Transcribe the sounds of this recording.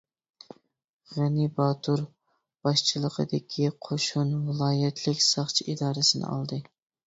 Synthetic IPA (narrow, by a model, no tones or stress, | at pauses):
ʁænibɑːt̪ʰuɾ | b̥ɑʃt͡ʃʰɨlˠəqʰə̰d̪ɪkʲʰiqʰoʃunvɨlˠɑːjɛt̪ʰlɪkʲsɑχt͡ʃʰiid̪ɑːɾɨsɪnɪ̰ɑ̰lˠd̪ɨ